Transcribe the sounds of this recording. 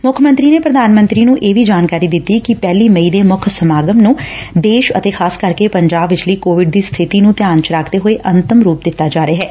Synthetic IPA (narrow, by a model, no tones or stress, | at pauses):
mʊkʰmənt̪ɾiːneːpɾəd̪aːnmə̃nt̪ɾiːnũːʔeːʋiːd͡ʒaːnkaːɾiːd̪ɪt̪ːiːkɪpɛːliːməiːd̪eːmʊkʰsəmaːɡəmnũːd̪eːʃə̰t̪eːkʰaːskəɾkepəɲd͡ʒaːbʋɪt͡ʃləiːkoːʋɪɖd̪iːst̪ʰɪt̪iːnũːt̪jaːnt͡ʃəɾaːkʰd̪eːɦoeʔənt̪əmɾuːp̚d̪ɪt̪ːaːd͡ʒaːɾeaːɦɛː